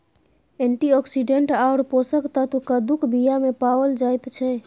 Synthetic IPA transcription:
eɳʈiɔksiɖeɳʈaʊɾposəkt̪ət̪ukad̪ukʰbʱijamepawəld͡ʒajt̪t͡ʃʰɛ

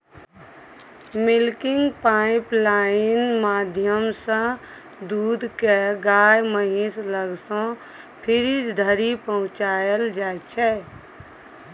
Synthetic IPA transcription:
mɪlkɪ̃ŋɡpaːɪplaːɪnmaːd̪ʱjəmsə̃ | d̪uːd̪ʱkeɡaːjməɦĩsləɡsõ | pʰɪɾid͡ʒd̪ʱəɾipəɦʊ̃t͡ʃaːjəld͡ʒaːɛt͡ʃʰɛ

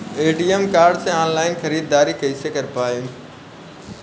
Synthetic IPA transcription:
eːɖiːemkaːɾɖsẽãːnlaːɪnxɐɾiːd̪̚d̪aːɾikʰɐisekɐɾpaːjõː

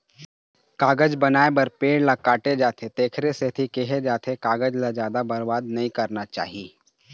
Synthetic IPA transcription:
kaːɡəd͡ʒbɐnaːebɐɾpeːɽlakaːʈed͡ʒaːt̪ʰet̪eːkʰɾeset̪ʰikeɦed͡ʒaːt̪ʰekaːɡəd͡ʒlad͡ʒjaːd̪abɐɾbaːd̪nɐɦĩkɐɾnat͡ʃa̰ːɦieː

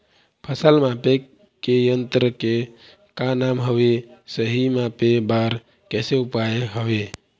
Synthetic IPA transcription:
pʰəsəlmape | kejənt̪ɾəke | kanamɦəbesəɦimãpebaɾ | kɛseupajeɦəbe

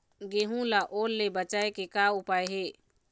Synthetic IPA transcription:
ɡeːɦũlaʔoːlːebət͡ʃaːekekaʊpaːeɦeː

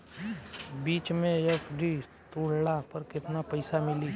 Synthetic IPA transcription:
biːt͡ʃmẽɛfʰɖi | t̪uːɽ̤ɽapɐɾkɪt̪napɐɪsamɪliː

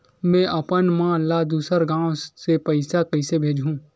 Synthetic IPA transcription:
mɛ̃ːʔɐpənmãːlad̪uːsəɾɡãːwsepɐɪsakɐɪsebʱeːd͡ʒʱũː

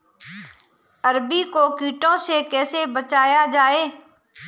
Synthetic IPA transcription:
əɾbiːkoːkiːʈõːsekɛːsebət͡ʃaːjaːd͡ʒaːeː

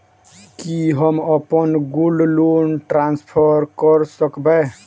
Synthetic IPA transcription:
kiɦəməpənɡulɖlonʈɾanspʰəɾkəɾsəkbɛ

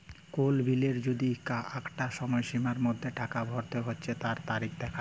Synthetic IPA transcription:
kolbʱileɾd͡ʑod̪ikaʔakʈaʃɔmɔeʃimaɾmod̪ʱːeʈakabʱɔɾt̪eɦotːɕʰet̪aɾt̪aɾikʰd̪ɛkʰa

